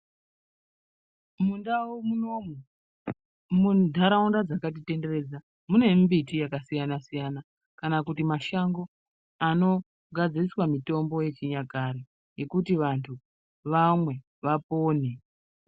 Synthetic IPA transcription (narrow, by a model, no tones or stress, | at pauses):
mu | mudʱaɾaundad͡zakat̬ite̞ndere̞ːd͡za | mune̞mbitijakasijanasijana | kanakutimaʃaŋɡo̞ | ano̞ | ɡʱad͡ziriswamito̞mbo̞je̞t͡ʃiɲaɡʱaɾi | je̞kutiʋantʰu | ʋamwe̞ | ʋapoːni